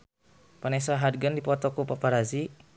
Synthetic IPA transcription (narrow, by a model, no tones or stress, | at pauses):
panɛsaɦad̚ɡəndipɔt̪ɔkupapaɾazi